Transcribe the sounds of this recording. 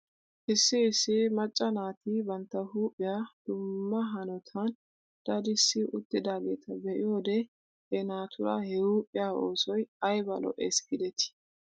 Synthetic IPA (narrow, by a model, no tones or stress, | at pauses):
ʔɪsːɪːsːɪmɐt͡ʃʼːɐnaːt̪ibɐnt̪ːɐhuːpʼːɪjaːd̪̥ʊmːɐɦɐnɔt̪ʰɐn | d̪̥ɐd̪ɪsːɪʔʊt̪ːɪd̪aːɡe̞̰ːt̪ʰɐbɛʔɪjo̞ːd̪ɛ | ʔɛnaːt̪ʰʊɾɐ̰hɛhuːpʼɪjaːo̞ːsɔjɐjbɐlɔ̰ʔḛːsɡɪd̪ɛt̪ɪ̥